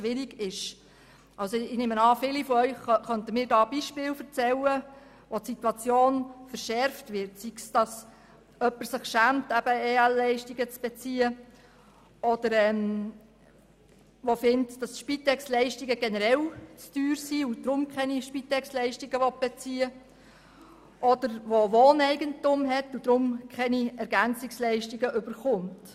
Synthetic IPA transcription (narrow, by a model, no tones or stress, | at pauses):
ʃʋɪɾiɡɪʃ | ʔɑlsɔɪneːmənɑːfɪlifɔœʏχχœntəmɪːɾdɑːb̥iʃpɪːlfəɾt͡sɛlə | ʋɔtsitwɑt͡sjoːnfəɾʃɛɾftʋɪrtsiksd̥ɑs | œpːəɾsɪχʃæːmtæb̥əeːælːɛɪʃtiɡət͡sb̥ɛt͡siːə | ɔd̥əɾɛːm | ʋofɪntd̥ɑsʃpitɛkslɛɪʃtiɡəɡ̥ɛnəɾɛlt͡styːɾsiud̥ɾʊmkχɛniʃpitɛkslɛɪʃtiɡəʋɔt̚b̥et͡siːə | ʔɔd̥əɾʋoʋoːnɛɪɡəntʊmɦɛtud̥ɾʊmkʰɛniɛɾɡænt͡sɪkslɛɪʃtiɡəʔʏb̥əɾχʊmt